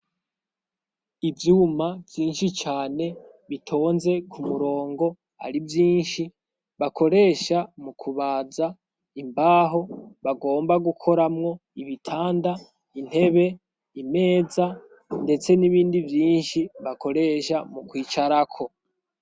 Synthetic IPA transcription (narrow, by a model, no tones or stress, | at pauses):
ivjuːmavjiːnʃit͡ʃaːne̞ | βitʰo̞ːnze̞kʰumuɾo̞ːŋɡo̞ | a̰ɾivjiːnʃi | βako̞ɾe̞ːʃamukʰuβaːza | imbaːɦo̞βaɡo̞ːmbaɡukʰo̞ɾamŋo̞iβitʰaːnda | in̥he̞βe̞ | ime̞ːza | nde̞t͡se̞niβiːndivjiːnʃiβako̞ɾe̞ːʃamukwiːt͡ʃaɾakʰo̞